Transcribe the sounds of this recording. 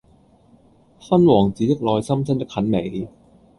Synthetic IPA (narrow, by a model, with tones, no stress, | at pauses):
fa˥˩nwɔː˨˩ŋt͡ɕiː˨˦˥t͡ɕe˦˥˩k̚lɔː˧jsa˥˩msʰa˥˩nt͡ɕa˥˩kʰːa˨˥nme˨˩˦j